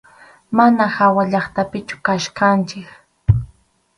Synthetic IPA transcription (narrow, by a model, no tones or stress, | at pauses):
manahawaʎɑχt̪apɪt͡ʃʊ̥kaʃkant͡ʃɪk